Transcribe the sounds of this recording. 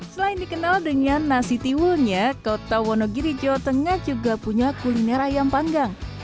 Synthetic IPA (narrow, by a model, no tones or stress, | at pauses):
səlaindikənaldəŋanːasit̪iwʊlɲakot̪awɔnoɡiɾid͡ʒot̪əŋahd͡ʒuɡapuɲakulinɛɾajampaŋɡaŋ